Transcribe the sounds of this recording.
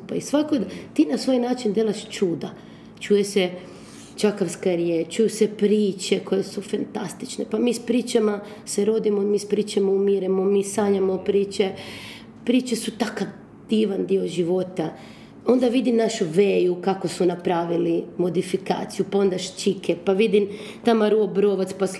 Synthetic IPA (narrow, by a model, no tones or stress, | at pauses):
paisʋakod̪t̪iːnasʋoːjnaːt͡ʃind̪jelaʃt͡ʃuːd̪a | t͡ʃuːjese | t͡ʃakaʋskaɾjet͡ʃujusepɾiːt͡ʃeko̞jesufant̪ast̪i̥t͡ʃnepamiːspɾiːt͡ʃama | seɾo̞d̪imo̞miːspɾiːt͡ʃamoumiɾemomiːsaɲamo̞pɾiːt͡ʃe | pɾiːt͡ʃesut̪aka | d̪̥iːʋand̪io̞ʒiʋot̪a | o̞nd̪aʋid̪imnaʃuʋeːjukakosunapɾaːʋilimo̞d̪ifika̰ːt̪sijupao̞nd̪aʃt͡ʃikʰepaʋid̪im | t̪amaɾuobɾoʋat̪spas